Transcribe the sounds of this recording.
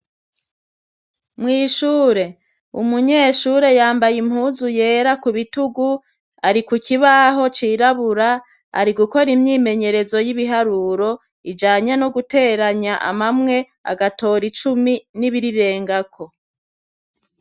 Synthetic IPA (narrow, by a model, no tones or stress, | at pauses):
mŋiːʃuːɾe̞ | ṵmuɲe̞ːʃuɾe̞jaːmbajim̥huːzuje̞ːɾakuβituɡu | aɾikucʰiβaɦo̞t͡ʃiːɾaβuɾa | a̰ɾiɡuko̞ɾimɲiːme̞ɲe̞ɾe̞zo̞jiβiɦaɾuːɾo̞ | id͡ʒaːɲanoɡute̞ːɾaɲaʔa̰mamŋe̞ | a̰ɡato̞ːɾit͡ʃuminiβiɾiɾe̞ːŋɡakʰo̞